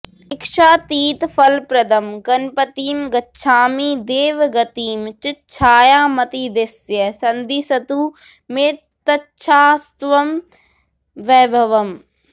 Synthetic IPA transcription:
ɪkʃaːt̪iːt̪fʰɐlpɾɐd̪ɐmɡɐnpɐt̪iːmɡɐtːʃʰaːmiːd̪eːʋɡɐt̪iːmt͡ʃɪt͡ʃʰaːjaːmɐt̪id̪ɪsjɐsɐnd̪iːsɐt̪u | meː | t̪ɐtːʃʰaːst̪ʋɐm | ʋɛːbʱɐʋɐm

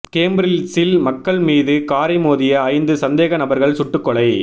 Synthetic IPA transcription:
keːmbɾɪlsɪlmɐkːɐɭmiːðɯkaːɾɐɪmoːðɪjɐːɪnd̪ɯsɐnd̪eːɣɐnɐbɐɾɣɐɭsʊʈːɯkːɔɭɐɪ

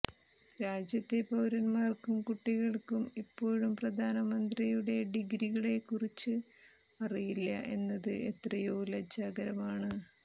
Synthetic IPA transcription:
ɾaːd͡ʑjɐt̪ːe̞pɐwɾɐnmaːrkumkuʈːiɣɐɭkumipːo̞ːɻumprɐd̪ʱaːnɐmɐnd̪rijuɽe̞ɖiɡɾiɣɐɭe̞kurit͡ɕːɨ | ɐrijilːɐ̰ʔe̞nːɐðɨʔe̞t̪rɐjuulɐd͡ʑːaːɡɐɾɐmaːɳɨ

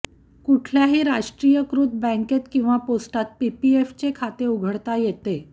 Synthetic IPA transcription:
kuʈʰljaɦiːɾaɕʈɾijəkɾut̪̚bɛ̃ŋket̪kĩw̃ʋaposʈat̪̚pipieft͡ɕekʰat̪euɡʱəɽt̪ajet̪e

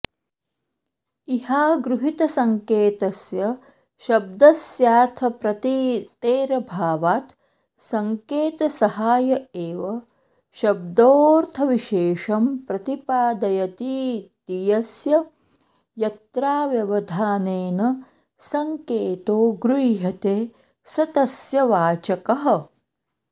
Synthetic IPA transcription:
ihaːɡɾuɦit̪ɐsɐŋkeːt̪ɐsjɐ | ʃɐb̚d̪ɐsjaːɾt̪ʰɐpɾɐt̪it̪eːɾɐbʱaːʋaːt̪ | sɐŋkeːt̪ɐsɐhaːjɐeːʋɐ | ʃɐb̚d̪oːɾt̪ʰɐʋiʃeːʃɐmpɾɐt̪ipaːd̪ɐjɐt̪it̪ijɐsjɐ | jɐt̪ɾaːʋjɐʋɐd̪ʱaːneːnɐ | sɐŋkeːt̪oːɡɾujɦɐt̪eː | sɐt̪ɐsjɐʋaːt͡ʃɐkɐɦɐ̆

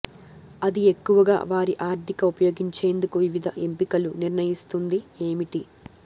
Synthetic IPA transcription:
ɐd̪ie̞kːuʋɐɡa̰ːʋaːɾiʔaːɾt̪ʰikɐupɐjo̞ːɡiɲt͡ʃe̞ːnd̪ukuʋiʋid̪ʱɐʔe̞mpikɐluniɾɳɐjist̪und̪ieːmiʈi

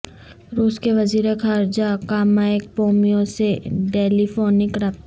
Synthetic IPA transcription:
ɾuːskeʋɐziːɾekʰaːɾd͡ʒakaːmaek̚poːmijõseɖeːlifoːnɪkɾɐp̪

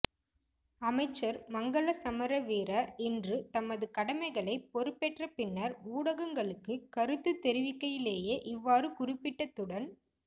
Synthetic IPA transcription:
ɐmɐɪt͡ʃːɐɾmɐŋɡɐɭɐsɐmɐɾɐʋiːɾɐɛndrɯt̪ɐmɐðɯkɐɽɐmɐɪɣɐɭɐɪpːɔɾɯpːɛʈrɐpɪnːɐɾuːɽɐɣɐŋɡɐɭɯkːɯkɐɾɯt̪ːɯt̪ːɛɾɪʋɪkːɐjɪleːjeːʔɪʋːaːɾɯkʊrɪpːɪʈːɐt̪ːɯɽɐn

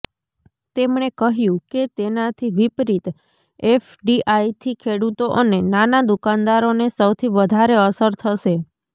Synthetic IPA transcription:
t̪emɳekəɦjũket̪enat̪ʰiʋipɾit̪ | efɖiʔajt̪ʰikʰeɽut̪oʔənenanad̪ukand̪aɾonesəwt̪ʰiʋəd̪ʱaɾeəsəɾt̪ʰəʃe

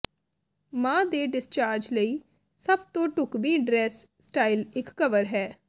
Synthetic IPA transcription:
mãːd̪eːɖɪst͡ʃaːɾd͡ʒləiː | səb̚t̪õːʈʊkʋiːɖɾɛːsːʈaːiːlɪkːəʋəɾɦɛː

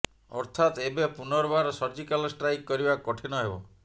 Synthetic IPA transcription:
ɔ̰ɾt̪ʰat̪ebepunɔɾɔbaɾɔsɔɾd͡ʒikalɔsʈɾaikːɔɾibakɔʈʰinɔɦebɔ̰

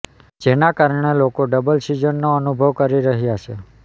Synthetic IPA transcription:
d͡ʒenakaɾɳ̃elokoɖəbəlsid͡ʒənːoənubʱəʋkəɾiɾəɦjat͡ʃʰe

